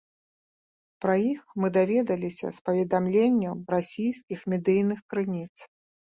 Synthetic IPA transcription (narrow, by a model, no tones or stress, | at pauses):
pɾɐjixmɨd̪avʲɛd̪ɐlʲisʲɐ̰spɐvʲɛd̪amlʲenʲːɐɾasʲijskʲixmʲɛd̪ɨjnɨxkɾɨnʲit̪s